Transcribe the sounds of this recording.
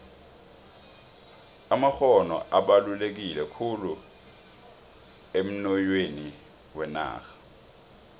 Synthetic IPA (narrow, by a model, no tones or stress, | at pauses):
amaxɔnɔ̰ʔaɓalulek̬ilɛkʰulu | em̩nɔjweni | wɛna̰ːxḁ